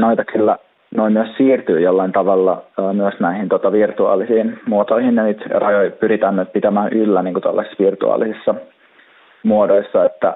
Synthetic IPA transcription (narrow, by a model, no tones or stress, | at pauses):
noit̪ɑkylːæ | noimmyøssiːrt̪yːjolːɑint̪ɑʋɑlːɑːmyøsnæihint̪uot̪ɑʋirt̪uɑ̰ːlisiːnmuot̪oihinnenit̪rɑjoipyɾit̪ænːøːt̪̚pit̪æmæːnʔylːæniːŋkut̪olːɑ̰sʋirt̪ṵɑ̰ːlːisisːɑ | muodoisːɑet̪ːæ